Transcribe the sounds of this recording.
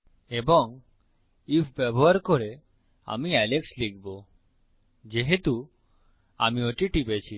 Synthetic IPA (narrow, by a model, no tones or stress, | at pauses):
ebɔŋ | ipʰbɛboɦaɾkoɾe | a̰miɛlekslik̚ʰbo | d͡ʑeɦet̪u | a̰mioʈiʈipet͡ɕʰi